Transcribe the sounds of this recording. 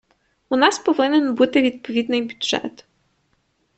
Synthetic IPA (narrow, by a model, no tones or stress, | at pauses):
unɑspɔʋɪnenbut̪ɪʋʲid̪̚pɔʋʲid̪nɪjbʲʊd̪ʒ̥ɛ̰t̪